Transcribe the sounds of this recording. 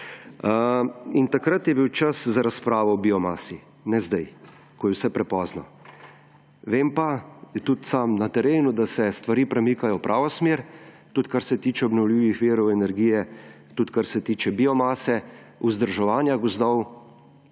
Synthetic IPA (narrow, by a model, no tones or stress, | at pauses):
int̪akɾat̪jɛbiwt͡ʃaszaɾaspɾaːʋɔɔbiɔmaːsi | nɛzd̪aj | kɔjɛwsɛpɾɛpɔːznɔ̰ | ʋeːmpat̪ut̪saːmnat̪ɛɾeːnud̪asɛst̪ʋaɾiːpɾɛmiːkajɔpɾʔaːʋɔsmeːɾ | t̪ut̪kaɾsɛt̪iːt͡ʃɛɔbnɔwlʲiːʋixʋiːɾɔwɛnɛɾɡiːjɛ | t̪ut̪kaɾsɛt̪iːt͡ʃɛbiːɔmaːsɛuzd̪əɾʒɛʋaːnjaɡɔzd̪ɔw